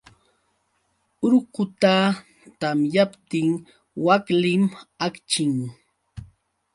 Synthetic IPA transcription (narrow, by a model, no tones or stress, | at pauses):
ʊɾkʊt̪a | t̪amjapt̪ɪŋ | waklɪmakt͡ʃɪŋ